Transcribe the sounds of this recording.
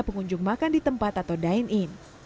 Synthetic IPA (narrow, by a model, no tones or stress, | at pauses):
pəŋuɲd͡ʒʊŋmakandit̪əmpat̪at̪awdainʔin